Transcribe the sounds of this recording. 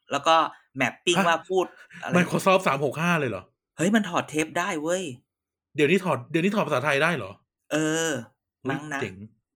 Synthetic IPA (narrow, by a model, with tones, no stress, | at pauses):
lɛː˦˥wkɔː˥˩ | mɛ˨˩pːi˥˩˧ŋwaː˥˩pʰuː˥˩t̪̚ʔa̰˧lma˧˩kʰɔ˧sɔː˥˩p̚saː˩˦mho˨˩k̚haː˥˩lɤː˧jlɔ̰˨˩˦ | hɤ˦˥jma˧nt̪ʰɔː˨˩t̪ʰːeː˦˥p̚daː˥˩jwɤ˦˥˩j | di˨˩˦wniː˦˥˩t̪ʰɔː˨˩t̪̚di˨˩˦niː˦˥t̪̚ʰːpʰa˧saː˩˦t̪ʰa˧jdaː˥˩jlɔ̰ː˨˩˦ | ʔɤː˧ | na˥˧˥ŋna˦t͡ɕe˨˩ŋ